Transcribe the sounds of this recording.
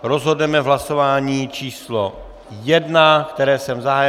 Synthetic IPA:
ɾo̞zɦo̞dnɛmɛvɦlasovaːɲiːt͡ʃiːslo | jɛdnakt̪ɛɾɛːsɛmzaɦaj

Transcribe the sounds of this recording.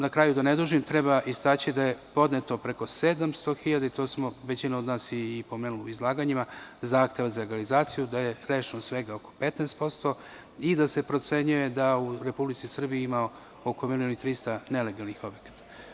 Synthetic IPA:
nakɾaːjud̪aned̪uʒimt̪ɾe̞baʔist̪aːt͡ɕid̪aje̞po̞d̪net̪o̞pɾe̞ko̞se̞d̪amst̪o̞xiʎad̪ait̪o̞ːsmo̞ʋe̞t͡ɕinaod̪naːsjeːpo̞me̞ːnuliuizlˠaːɡaɲimazaːxt̪je̞ʋazaleɡalizaːt̪sijud̪aje̞ɾe̞ːʃnosʋe̞ɡao̞ko̞̥pe̞t̪nest̪po̞st̪o̞ | id̪ase̞pɾo̞t̪se̞ɲuje̞d̪auɾe̞publit̪sisr̩bijiimao | o̞ko̞milijonit̪ɾist̪ane̞le̞ɡalˠnixo̞bje̞kḁt̪ḁ

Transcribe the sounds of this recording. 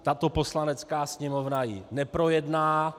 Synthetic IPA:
t̪at̪opo̞slanɛt͡skaːsɲɛmovnajɪnɛpɾo̞jɛdnaː

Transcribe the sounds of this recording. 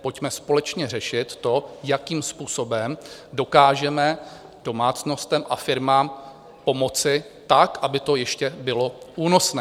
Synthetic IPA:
po̞cmɛspo̞lɛt͡ʃɲɛrɛʃɪt̪ːo̞jakiːmspuːso̞bɛmdo̞kaːʒɛmɛ | d̥o̞maːt͡sno̞st̪ɛmʔafɪɾmaːm | po̞mo̞t͡sɪ | t̪akʔabɪt̪o̞jɛʃcɛbɪlo̞ʔuːno̞snɛː

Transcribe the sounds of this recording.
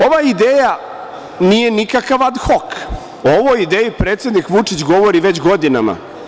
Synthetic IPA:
o̞ʋaid̪eːja | nijenikakaʋad̪xok | ooʋojid̪eːjipɾeːt̪sje̞d̪nikʋut͡ʂit͡ɕɡo̞ʋo̞ɾiʋet͡ɕɡo̞d̪ina̰ma̰

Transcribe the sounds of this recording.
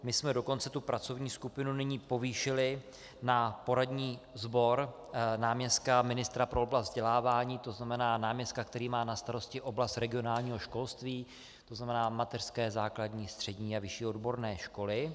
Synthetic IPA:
mɪsmɛdo̞ko̞nt͡sɛt̪upɾat͡so̞vɲiːskupɪnunɪɲiːpo̞viːʃɪlɪ | napo̞ɾadɲiːzbo̞ɾ | naːmɲɛst̪̚kamɪnɪst̪ɾapɾo̞oblazt̪zɟɛlaːvaːɲiːt̪o̞znamɛnaːnaːmɲɛst̪kak̚t̪ɛɾiːmaːnast̪aɾo̞scɪʔo̞blast̪ɾɛɡɪo̞naːlɲiːɦo̞ʃko̞lst̪viː | t̪o̞znamɛnaːmat̪ɛr̥skɛːzaːkladɲiːst̪r̥ɛɟɲiːavɪʃiːo̞dbo̞ɾnɛːʃko̞lɪ

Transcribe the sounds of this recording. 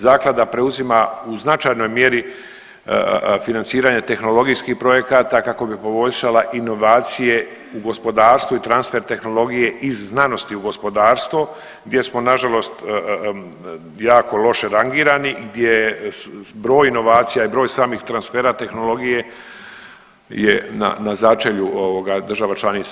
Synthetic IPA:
zaːklˠad̪apɾeuzimauznat͡ʃaːjno̞jmje̞ɾḭ | finant̪siːɾaɲet̪e̞xno̞lˠo̞ɡijskihpɾo̞je̞kaːt̪akako̞bipo̞bo̞ʎʃalaʔino̞ʋaːt̪sije̞ | uɡo̞spo̞d̪aːɾst̪ʋuit̪ɾansfe̞ɾt̪e̞xno̞lˠo̞ɡije̞ʔizːnano̞st̪iuɡo̞spo̞d̪aːɾst̪vʋo | ɡd̪je̞smo̞naʒalo̞st̪ | jaːko̞lˠo̞ʃe̞ɾaŋɡiːɾaniɡd̪jej | bɾo̞ːjino̞ʋaːt̪sijaibɾo̞ːjsaːmixt̪ɾansfeːɾat̪e̞xno̞lˠo̞ɡije̞ | jena̰nazat͡ʃeʎuoʋoɡad̪ɾr̩ʒaʋat͡ʃlˠanit̪s

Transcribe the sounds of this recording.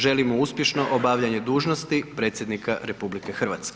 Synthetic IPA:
ʒelimouspʲje̞ʃno̞ʔobaʋʎaɲe̞d̪uːʒnost̪ipɾeːt̪sjed̪nikʰaɾe̞publikexr̩ʋat̪skʲe̥

